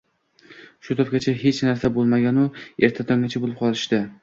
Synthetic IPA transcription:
ʃʊt̪ʰɒp̚kʲat͡ʃʰaɦe̞t͡ʃnaɾsabolˠmaɡʲanʊe̞ɾt̪ʰat̪ʰɒŋɡʲat͡ʃʰabolˠɪp̚qʰɒlˠɪʃt̪ɪ

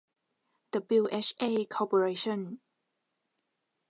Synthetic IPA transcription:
d̥əbɪlʔɛʃekʰɔpəɹeʃə̃n

